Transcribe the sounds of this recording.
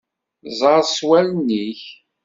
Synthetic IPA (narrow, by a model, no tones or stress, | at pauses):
zˤɑɾswælniç